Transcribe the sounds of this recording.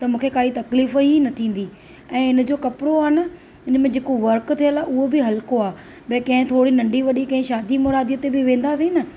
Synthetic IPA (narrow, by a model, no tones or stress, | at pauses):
t̪ɐmũːkʰekaːit̪ɐkliːfinɐt̪ʰĩːn̆d̪i | ɛ̃ːɪn̆d͡ʑokɐpɪɽoaːɪnɐ̆ | ɪnmẽd͡ʑeːkoʋɐɾkt̪ʰijəlaʊɦobɪɦɐlkoaː | bɐ̃ːkɐ̃ɦɪ̃t̪ʰoːɽinɐ̃ɳɖiʋɐɗikɐ̃ɦɪ̃ʃaːd̪imɔːɾaːd̪ijət̪ebɪʋẽːnd̪asĩnɐ